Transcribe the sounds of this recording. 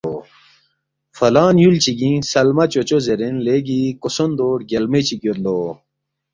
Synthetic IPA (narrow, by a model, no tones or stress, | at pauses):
o | fɐlaːnjult͡ɕiɡĩsɐlmɐt͡ɕot͡ɕozeɾinleɡikosond̪oːɽɡʲɐlmet͡ɕikjoɾlo